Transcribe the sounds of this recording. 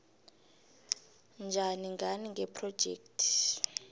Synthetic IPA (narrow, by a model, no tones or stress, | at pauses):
nd͡ʒʱaniŋɡʱaniŋɡʱɛpʰrɔ̥d͡ʒ̥ʱḛːk̚tʰi̥